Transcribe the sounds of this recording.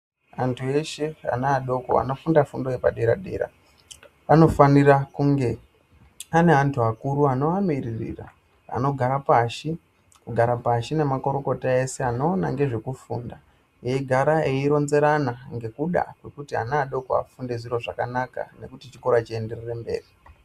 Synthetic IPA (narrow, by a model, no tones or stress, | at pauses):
antʰue̞ʃe̞a̰naːɗo̞ko̰a̰no̞fundafundo̞je̞paɗe̞ɾa̰ɗḛɾa̰ | ano̞fanirakuŋɡe̞ | ane̞antʰuakuɾuano̞amirirḭra̰ | a̰no̞ɡʱaɾapaʃi | kuɡʱaɾapaʃine̞mako̞ɾo̞ko̞taese̞ano̞ːna̰ŋɡe̞ʐe̞kufuːnda | jeiɡʱaɾaeiɾo̞nze̞ɾanaŋɡe̞kuɗa̰kwe̞kutia̰naːɗo̞koa̰fundeziɾo̞ʐakanaka̰ne̞̰kutit͡ʃiko̞ɾat͡ʃiende̞rerembe̞̰ːri